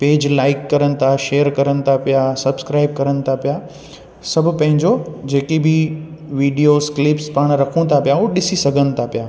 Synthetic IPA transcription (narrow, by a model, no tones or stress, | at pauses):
peːd͡ʑlaːɪkːɐɾənɪ̆t̪ʰaʃeːəɾkɐɾənɪ̆t̪ʰapijasɐbskɾaːɪb̚kɐɾənɪ̆t̪ʰapija | sɐbʱʊpɐ̃ɦɪ̃ɲd͡ʑod͡ʑeːkibʱɪʋiːɖijosklɪpspaːɽ̃ɾɐkʰũt̪ʰapijauːɗɪsisɐɡʱənɪ̆t̪ʰapɪjaː